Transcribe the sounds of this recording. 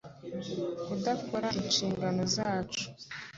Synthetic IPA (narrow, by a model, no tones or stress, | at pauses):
udakʰoɾaʔinʃiːŋɡano̞zaːt͡ʃu̥